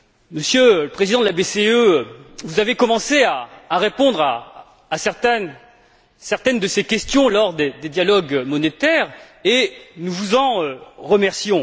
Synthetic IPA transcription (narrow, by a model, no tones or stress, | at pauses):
məsjøləpχezid̪ɑ̃d̪əlabeseøvuzavekɔmɑ̃seaːʁepɔ̃d̪ʁa̰ː | sɛʁt̪ɛ | sɛʁt̪ɛnd̪əsekʲɛst̪jɔ̃lɔʁd̪ed̪ed̪jalɔɡmɔnet̪ɛʁ | enuvuzɑ̃øʁəmɛʁsjɔ̃